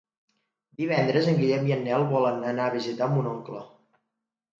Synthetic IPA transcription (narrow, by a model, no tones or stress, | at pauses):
d̪iβ̞ɛnd̪ɾəzəŋɡiʎɛmiənːɛlˠβɔlənənaəβizit̪ambunoŋklə